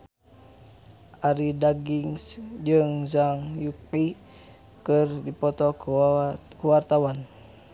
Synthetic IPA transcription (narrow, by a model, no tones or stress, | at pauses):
ʔaɾidaɡiŋsd͡ʒɨŋzaŋjuki | kɨrdipɔt̪ɔ | kəwart̪awan